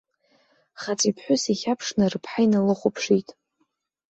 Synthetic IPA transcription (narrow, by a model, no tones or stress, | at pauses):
χat͡sʷʼipʰħʷᶣʊsiχʲapʰʂnɨrɨpʰħajnalɨχʷʊpʰʂitʼ